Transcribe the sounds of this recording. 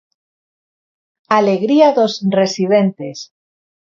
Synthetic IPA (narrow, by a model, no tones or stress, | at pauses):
aleɣɾiaðo̞sre̞siðent̪e̞s